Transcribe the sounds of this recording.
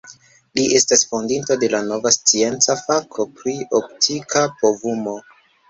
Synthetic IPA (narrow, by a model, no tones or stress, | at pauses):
liʔe̞stasfondintode̞lano̞vast͡sie̞nt͡safakʰo̞pɾiop̚tʰikapo̞vumo̞